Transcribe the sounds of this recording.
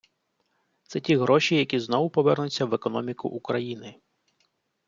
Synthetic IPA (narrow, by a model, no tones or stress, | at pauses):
t̪sɛtʲiɦɾɔʃijɐkʲiznɔʋʊpɔʋɛrnʊt͡sʲːɐʋekɔnɔmʲikʊ̰ʔukɾɐjinɪ